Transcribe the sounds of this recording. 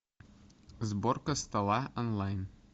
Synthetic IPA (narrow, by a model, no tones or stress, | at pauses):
zborkəst̪ɑlˠɑonlˠɑjn